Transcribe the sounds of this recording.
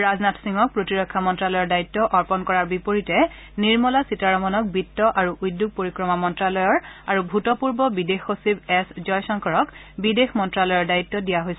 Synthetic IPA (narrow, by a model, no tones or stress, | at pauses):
ɹaznatʰsiŋɔk̚pɹotiɹɔkʰːamɔntɹalɔjɔɹdaitːɔʔɔɹpɔnkɔɹaɹbipoɹitɛ | niɹmɔlasitaɹɔmɔnɔk̚bitːɔʔaɹuʔujdjuɡ̚poɹikɹɔmamɔntɹalɔjɔɹaɹubʱutɔpuɹbɔbidexosibɛszɔjsɔŋkʰɔɹɔk | bidexmɔntɹalɔjɔɹdajitːɔdijaɦojsɛ